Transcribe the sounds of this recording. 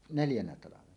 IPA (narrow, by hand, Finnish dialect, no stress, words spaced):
neljænæ tɑlɑʋenɑ